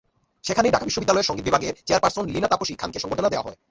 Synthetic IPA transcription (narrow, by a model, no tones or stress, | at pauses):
ʃekʰaneɖakabiʃːobid̪ːalɔeɾʃɔŋɡebibʱaɡeɾt͡ɕeaɾpaɾsonlinat̪apoʃikʰa̰nkeʃɔŋɡoʈʰonad̪eoa̰ɦɔ̰e